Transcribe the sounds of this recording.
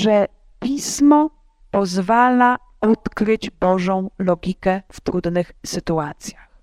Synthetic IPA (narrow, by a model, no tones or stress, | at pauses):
ʐɛ | pʲismɔ | pɔzvala | ɔt̪kɾɘd͡ʑbɔʐɔ̃w̃lɔɡʲikɛft̪ɾud̪nɘxsɘt̪uat̪sʲjax